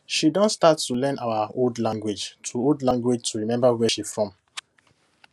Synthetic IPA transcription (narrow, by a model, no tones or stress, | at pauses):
ʃidɔ̃nstatulɛ̃naʊəoldlãŋɡwed͡ʒtʰuoldlãŋɡwed͡ʒtuɹimɛ̃mbawɛʃifɹɔ̃m